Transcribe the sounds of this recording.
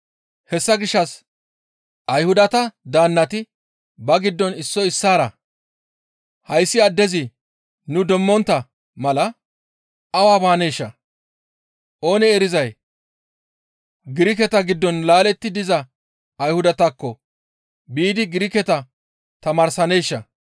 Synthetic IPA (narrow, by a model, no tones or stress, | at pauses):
hɛsːɐɡɪʃːɐs | ʔɐjhʊd̪ɐt̪ɐd̪aːnːɐt̪ɪ | bɐɡɪd̪ːɔnɪsːɔɪsːaːɾɐ | hɐjsːɪɐd̪ːɛzɪ | nʊd̪ɔmːɔnt̪ːɐ | mɐlɐ | ɐwaːbaːnejʃːɐ | ʔo̞ːnɛːɾɪzɐj | ɡɪɾɪk̬ɛt̪ɐɡɪd̪ːɔnlaːlɛt̪ːɪd̪ɪzɐ | ɐjhʊd̪ɐt̪ɐkːɔ | biːd̪ɪɡɪɾɪkɛt̪ɐ | t̪ɐmaːɾsɐnejʃːɐ